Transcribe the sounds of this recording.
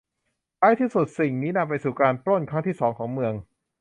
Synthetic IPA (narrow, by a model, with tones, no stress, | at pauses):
kaː˦˥jt̪ʰiː˥˩su˨˩t̪̚si˨˩ŋniː˦˥na˧mpa˧jsuː˨˩kaː˧npɾo˥˩nkʰɾa˦˥ŋt̪ʰiː˥˩sɔː˩˦ŋkʰɔː˩˦ŋmɯ˧əŋ